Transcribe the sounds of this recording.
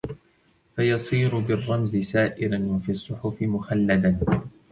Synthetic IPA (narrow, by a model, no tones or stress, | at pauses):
fajɑsˤiːɾʊbɪrˤːɑmzɪsaːʔɪɾanwafiːɑsˤːʊħʊfɪmʊxalːad̪a